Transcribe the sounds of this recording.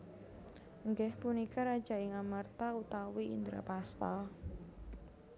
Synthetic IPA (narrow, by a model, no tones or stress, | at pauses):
ŋɡɛhpunikaɾad̥ʒ̥a̤ɪŋamart̪aut̪awiḭnd̪ɾa̰past̪a